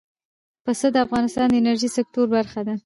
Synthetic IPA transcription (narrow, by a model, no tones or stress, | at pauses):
pəsəd̪əafɣɑnɪst̪ɑnd̪əɪnaɾʒisɪk̚t̪oɾbaɾxad̪a